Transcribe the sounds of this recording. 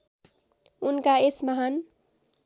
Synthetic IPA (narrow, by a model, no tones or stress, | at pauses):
unkaesmaɦan